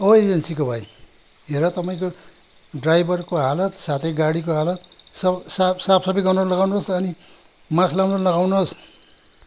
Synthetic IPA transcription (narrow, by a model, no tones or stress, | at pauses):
oed͡zʌnsikobʱaj | ɦeɾʌt̪ʌpaĩko | ɖrajbʱʌrkoɦalʌt̪sat̪ʰʌjɡaɽikoɦalʌt̪sʌsasapsʌbʌjɡʌnʌnlʌɡawnoɦosʌni | mãkʰlawnʌnlʌɡawnoɦos